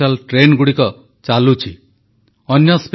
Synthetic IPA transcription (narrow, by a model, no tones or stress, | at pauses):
alʈɾenɡuɽikɔ | t͡ʃalut͡ʃʰḭ | ɔnjɔsp